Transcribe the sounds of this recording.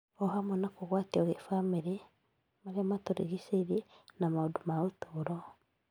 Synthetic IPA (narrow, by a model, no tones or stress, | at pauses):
ɔɦamɔnakoɣwatiɔɣefamiɾe | maɾiamatoɾḭɣiseiɾinamaudumautuɾɔ